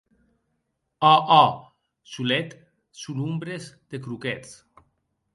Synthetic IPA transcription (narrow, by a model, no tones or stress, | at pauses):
ɔʔɔ | sulet̪ | sulumbɾezd̪̥ekɾuket͡s